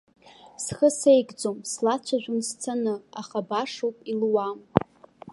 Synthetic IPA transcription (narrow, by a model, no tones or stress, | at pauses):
sχəsejɡʼd͡zomslat͡ɕʷʰaʒᶣʷʊnst͡sʰanɨaχabaʂowpʼilwam